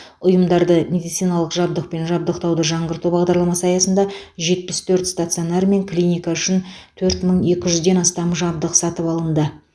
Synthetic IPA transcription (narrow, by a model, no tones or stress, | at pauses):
ʊjəmd̪ɑɾd̪əmʲe̞d̪ijt̪sijnɑlˠəqʒɑb̚d̪əq̚pe̞nʒɑb̚d̪əqt̪ɑwd̪əʒɑɴʁəɾt̪ubɑʁd̪ɑɾlˠɑmɑsɑjɑsənd̪ɑʒe̞t̪̚pɪst̪ʰɵɾt̪st̪at̪sɨjonɑɾme̞ŋklʲijnʲijkaʏʃɪnt̪ʰɵɾt̪məɴe̞kʲɪʒʏzd̪e̞nɑst̪ɑmʒɑb̚d̪əqsɑt̪əpɑlˠənd̪ə